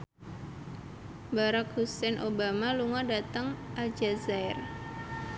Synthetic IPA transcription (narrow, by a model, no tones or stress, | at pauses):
baɾakhusɛnʔobamaluŋɔdat̪əŋʔald͡ʒazaɪr